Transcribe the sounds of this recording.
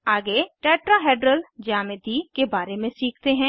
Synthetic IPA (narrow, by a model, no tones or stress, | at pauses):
aːɡeʈɛːʈɾaɦeːɖɾəld͡ʒaːmed̪ikebaːɾemẽsiːk̚ʰt̪eɦɛ̃ː